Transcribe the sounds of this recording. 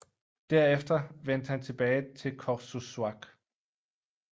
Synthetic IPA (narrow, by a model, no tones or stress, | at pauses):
d̥æɐ̰efd̥ɐʋen̰d̥əhænt͡sʰe̝b̥ɛːɪt͡sʰe̝lkʰɒsuswɑɡ̥